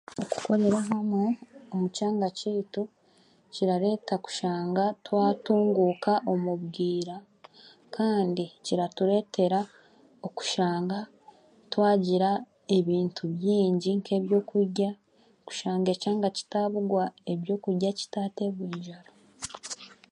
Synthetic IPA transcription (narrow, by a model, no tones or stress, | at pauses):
oku̥ko̞ɾe̞ɾaɦameomucaːŋɡaciːtu | ciɾaɾe̞ːtaku̥ʃaːŋɡatwaːtuːŋɡuːkaʔo̞muβɡiːɾa | kʰaːndiciɾatuɾe̞ːtʰe̞ɾa | oku̥ʃaːŋɡa | twaːɟiɾa | e̞βiːntʰuβjiːɲɟiŋkʰe̞ːβjo̞ːkuɾɟa | ku̥ʃaːŋɡe̞caːŋɡaci̥taβuɡwae̞βjo̞ːkuɾɟaci̥taːte̞βwiːɲʒaɾo